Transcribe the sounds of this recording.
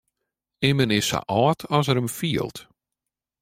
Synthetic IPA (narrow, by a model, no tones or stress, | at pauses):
ɪmənɪsa̰ʔɔːtʰɔsəɾəmfiəlˠt